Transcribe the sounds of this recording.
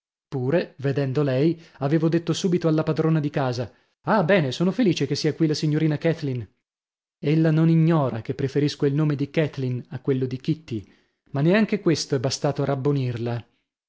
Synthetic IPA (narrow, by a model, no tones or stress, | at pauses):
puːɾeved̪ɛnd̪olɛjaveːvod̪et̪ːosuːbit̪oalːapad̪ɾoːnad̪ikaːza | abɛːnesoːnofeliːt͡ʃekesːiːakwilasiɲːoɾiːnakɛt̪lin | elːanoniɲːɔːɾakepːɾefeɾiskoilnoːmed̪ikɛt̪linakːwelːod̪ikit̪ːi | manːeaŋkekwest̪oɛbːast̪aːt̪oarabːonirla